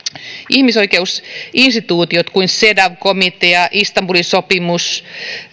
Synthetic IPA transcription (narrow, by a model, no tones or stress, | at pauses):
ʔihmisoikeusinst̪it̪uːt̪iot̪kuinsedɑʋkomit̪eɑʔist̪ɑmbulinsopimus